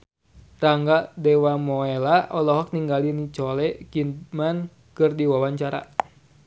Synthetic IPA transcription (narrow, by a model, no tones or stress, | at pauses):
raŋɡadɛwamɔɛlaʔɔlɔɦɔk̚niŋɡalinit͡ʃɔlɛkinman | kɨrdiwawaɲt͡ʃaɾa̰